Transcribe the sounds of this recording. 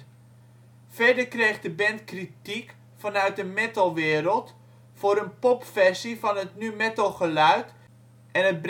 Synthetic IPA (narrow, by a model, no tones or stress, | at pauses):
fɛdəkrejχdəbɛntkritik | fɑnœɥt̚dəmɛtəlˠʋɪːɾəlˠt | fʊːɾənpɔpfɛrsifɑnətnymɛtəlˠχəlœɥt | ʔɛnət̚b